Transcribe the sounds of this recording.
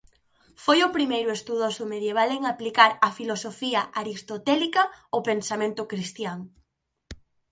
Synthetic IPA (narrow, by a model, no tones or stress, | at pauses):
fojʊpɾimejɾʊest̪uðosʊmeðjeβ̞aleŋaplikaɾafilosofiɐʔaɾist̪ot̪ɛlikɐopensamẽnt̪ʊkɾist̪jaŋ